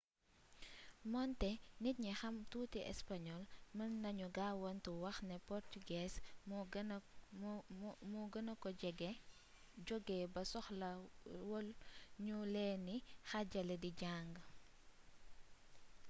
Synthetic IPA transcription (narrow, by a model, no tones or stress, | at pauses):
mɔntɛnit̚ɲixɐmtuːtiʔɛ̰spaɲɔlmɐmnɐɲuɡawɔntuwɐxnɛpɔrtuɡɛːs | muɡənɐkɔɛɡɛ | ɟɔɡːɛbɐsɔxlɐwɔlɲulɛːnixɐɟɐlɛdiɟaŋɡə